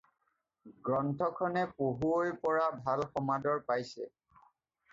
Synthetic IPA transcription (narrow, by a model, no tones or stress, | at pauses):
ɡɹɔntʰɔkʰɔnɛpoɦuojpɔɹabʱalxɔmadɔɹpajsɛ̰